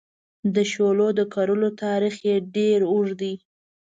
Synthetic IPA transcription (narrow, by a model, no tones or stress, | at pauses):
d̪əʃolod̪əkaɾəlot̪ɑɾixjeɖeɾʊʐd̪i